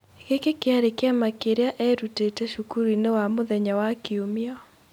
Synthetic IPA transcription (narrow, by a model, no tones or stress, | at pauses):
kekekɪaɾekjamakeɾjaʔɛɾuteteʃukuɾinewamʊðɛɲawakiomɪɔ